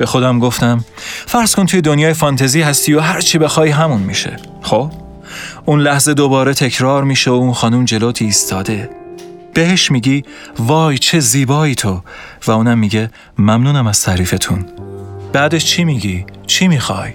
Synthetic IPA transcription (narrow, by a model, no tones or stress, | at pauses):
b̥e̞xo̞d̪æmɡo̞ft̪æmfæɾz̥kʰont̪ʰujed̪o̞njɒːjefɒːnt̪ʰeziːhæst̪iːoɦæɾt͡ʃʰibe̞xɒːiɦæmunmiʃḛ | xob̥ | unlæhze̞d̪o̞bɒːɾe̞t̪ʰe̞cʰɾɒːɾmiːʃeounxɒːnumd͡ʒe̞loːt̪ʰiːst̪ʰɒːd̪e̞ | b̥e̞heʃmiːɟiː | vɒːjt͡ʃʰe̞ziːbɒːiːt̪ʰo̞ | væuːnæmːiːɟe | mæmnuːnæmæz̥t̪ʰæɾiːfe̞t̪ʰunb̥æːd̪et͡ʃʰimiɟit͡ʃʰimixɒ̰ːj